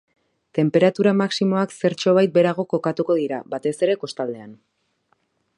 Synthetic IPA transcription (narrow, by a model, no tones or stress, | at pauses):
t̪e̞mpe̞ɾat̪uɾamaksimo̞akse̞ɾt͡ʃo̞β̞ajt̪̚be̞ɾaɣ̞o̞ko̞kat̪uko̞ðiɾaβat̪e̞se̞ɾe̞ko̞st̪ald̪e̞an